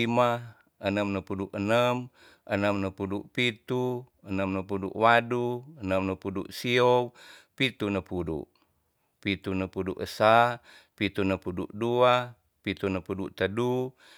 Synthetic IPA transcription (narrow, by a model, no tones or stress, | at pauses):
ima | ənəmnəpuduʔənəm | ʔənəmnəpuduʔpit̪u | ənəmnəpudṵʔwaduənəmnəpudṵʔsiɔwpit̪unəpudṵʔ | pit̪unəpudṵʔəsa | pit̪unəpuduʔdua | pit̪unəpuduʔt̪ədu